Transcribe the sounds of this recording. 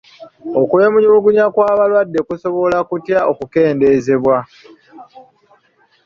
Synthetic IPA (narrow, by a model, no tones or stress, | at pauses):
o̞kuemuɲiβuɡuɲakwaːβalwadːe̞kuso̞βo̞lakutjaʔokuke̞ːnde̞ze̞βwa